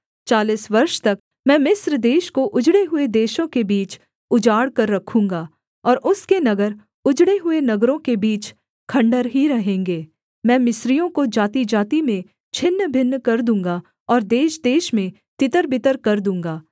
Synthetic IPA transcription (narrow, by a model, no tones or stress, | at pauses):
t͡ʃaːliːsʋɐɾʃt̪ɐk | mɛ̃ːmɪsɾd̪eːʃkoʔʊd͡ʒɽeɦʊed̪eːʃõkebiːt͡ʃ | ʊd͡ʒaːɽkɐɾːɐkʰũːŋɡaː | ɔːɾʔʊskenɐɡəɾ | ʊd͡ʒɽeɦʊenɐɡɾõkebiːt͡ʃ | kʰɐ̃ɳɖəɾɦiɾɐɦẽːŋɡeː | mɛ̃ːmɪsɾijõkod͡ʒaːt̪id͡ʒaːt̪imẽ | t͡ʃʰɪnːbʱɪnːkɐɾd̪ũːŋɡa | ɔːɾd̪eːʃd̪eːʃmẽ | t̪ɪt̪əɾbɪt̪əɾkɐɾd̪ũːŋɡaː